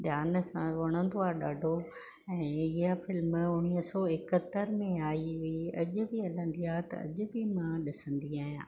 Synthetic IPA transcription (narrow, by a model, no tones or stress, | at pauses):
ɗjaːnsãʋɐɽ̃ə̃nd̪oaːɗaːɖʱo | ɛ̃ːɪɦafɪlmʊñisɔːɪkət̪əɾmẽaːiʋiiɐʄʊ̆bɪɐlə̃nd̪iaːt̪ɐ̰ɐ̰ʄʊ̆bɪmãɗɪsə̃nd̪iaːɦjã̰ː